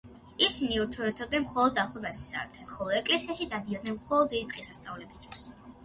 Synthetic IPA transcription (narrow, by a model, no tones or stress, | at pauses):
isiniuɾt̪ʰɔɛɾt̪ʰɔd̪̚nɛnmχɔlˠɔd̪ːaχɛmasi̥sa̰vɛ̰b̚t̪ʰɛnχɔlˠɔd̪ɛkʼlɛsiaʃid̪ad̪iɔd̪̚nɛnmχɔlˠɔd̪ːid̪it̪ʼqʼisast̪sʼavlɛbist̪ʰwis